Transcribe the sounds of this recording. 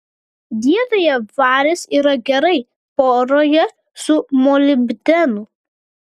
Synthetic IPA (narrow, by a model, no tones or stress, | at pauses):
d̪ʲiɛd̪ɐjɛʋɑːɾʲɪsiːɾɐɡʲɛɾɐɪ | poːɾoːjɛ | sʊmɔːlʲɪbʲd̪ʲɛnu